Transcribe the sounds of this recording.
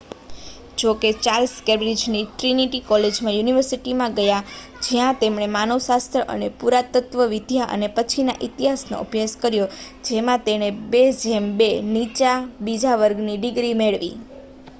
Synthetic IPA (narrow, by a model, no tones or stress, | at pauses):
d͡ʒoket͡ʃalskebɾid͡ʒniʈɾiniʈikɔled͡ʒmãjuniʋəɾsiʈimãɡəja | d͡ʒjãt̪emɳemanosast̪ɾəʔə̰nepuɾat̪ət̪ʋəʋid̪ʱjaʔə̰nepət͡ʃʰina̰ʔit̪iɦasno̰ʔəbjaskəɾjo | d͡ʒemãt̪eɽ̃ebed͡ʒʱɛmbenit͡ʃabid͡ʒaʋəɾɡniɖiɡɾimeɭʋḭ